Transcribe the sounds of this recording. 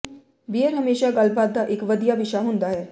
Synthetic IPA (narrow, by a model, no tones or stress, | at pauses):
biːəɾɦəmeːʃaɡəlbaːt̪̚d̪aʔɪkʋəd̪ijabɪʃaɦʊ̃nd̪aːɦɛː